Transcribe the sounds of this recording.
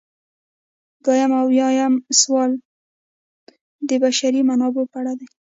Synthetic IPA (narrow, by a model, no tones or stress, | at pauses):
ɡɑjamawjɑjamswɑl | d̪əbaʃaɾimanɑbepaɽad̪aj